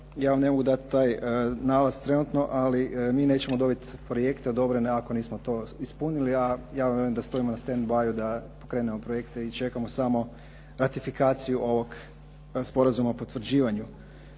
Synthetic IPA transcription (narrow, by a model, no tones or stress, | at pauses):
jaːʋamnemoɡud̪at̪t̪aːjnalazt̪ɾe̞nut̪no̞ʔalimiːne̞ːt͡ɕe̞mo̞d̪o̞bit̪pɾoje̞kt̪eod̪o̞bɾeneako̞niːsmo̞t̪o̞ispuniliajaːʋamʋjeuimd̪ast̪o̞ʋimonast̪end̪bajud̪apo̞kɾe̞ːnemo̞pɾoje̞kt̪eit͡ʃe̞kamo̞samo̞ | ɾat̪ifikaːt̪sijuʔo̞ʋo̞ɡ | spo̞ɾazumapot̪ʋɾ̩d͡ʑiːʋaɲu